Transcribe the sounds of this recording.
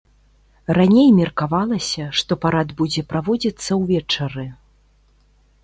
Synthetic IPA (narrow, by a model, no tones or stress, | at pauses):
ranʲejmʲɛrkavalˠɐsʲɐʂt̪ɔpaɾad̪bud͡zʲɛpɾavɔd͡zʲit̪sːɐwvʲɛt͡ʂɐɾɨ